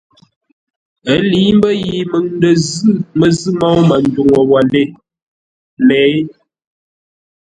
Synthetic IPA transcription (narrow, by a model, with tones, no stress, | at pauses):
ə˨˦li˨˦m˦bə˦ji˨mə˨ŋn˦də˨zɨ˦mə˨zɨ˦mɔ˦wma˨n˦du˨ŋo˨wa˨le˦˨ | lɛ˨˦